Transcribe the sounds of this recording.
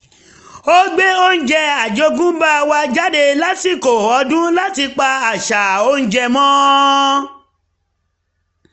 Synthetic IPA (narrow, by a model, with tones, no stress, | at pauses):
o˦ɡ͡be˦o˦n̩˦d͡ʒɛ˧a˨d͡ʒo˧˦ɡũ˦ba˦˧wa˧d͡ʒa˦de˧la˦ti˨ko˨ɔ˨˧˦dũ˦la˦ti˧k͡pa˧a˨ʃa˨o˧˦n̩˦d͡ʒɛ˧mɔ̃˦